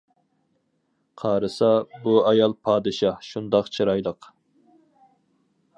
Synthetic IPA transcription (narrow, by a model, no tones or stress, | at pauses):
qʰɑːɾɨsɑbuɑjɑlˠpʰɑːd̪ɨʃɑhʃund̪ɑqt͡ʃʰɨɾɑjlˠəq